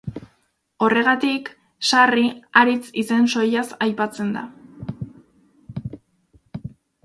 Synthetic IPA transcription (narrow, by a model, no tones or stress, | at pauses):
o̞re̞ɣat̪ik | sariaɾit͡sise̞nso̞jasajpat͡se̞nd̪a̰